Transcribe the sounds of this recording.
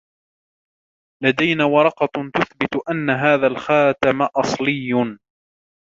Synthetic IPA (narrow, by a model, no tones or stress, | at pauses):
lad̪ajnaːwɑɾˤɑqɑt̪ʊθbɪt̪ʔanːaɦaːðalxaːt̪amaʔɑsˤlɪjː